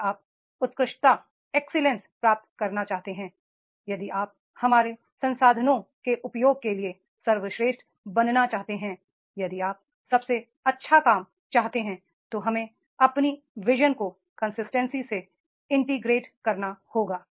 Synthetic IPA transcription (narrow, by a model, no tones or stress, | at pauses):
aːp̚ | ʊt̪kɾɪʃt̪a | ɛːksɪlɛ̃nspɾaːp̚t̪kɐɾnat͡ʃaːɦt̪eɦɛ̃ː | jɐd̪iʔaːp̚ | hɐmaːɾe | sɐ̃nsaːd̪ʱənõkeʔʊpjoːɡ̚kelie | sɐɾʋəʃɾeːʃʈ | bɐnnat͡ʃaːɦt̪eɦɛ̃ | jɐd̪iaːp̚ | sɐbse | ɐtːʃʰakaːm | t͡ʃaːɦt̪eɦɛ̃ | t̪oɦɐmẽ | ɐpni | ʋɪʒənko | kɐ̃nsɪsʈɛ̃nsise | ɪ̃ɳʈiɡɾeːʈkɐɾnahoːɡaː